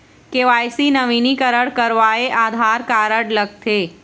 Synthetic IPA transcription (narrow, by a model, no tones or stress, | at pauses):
keːʋaːjsinɐʋinikəɾəɽkɐɾʋaːeʔaːd̪ʱaːɾkaːɾəɽlɐɡ̚t̪ʰeː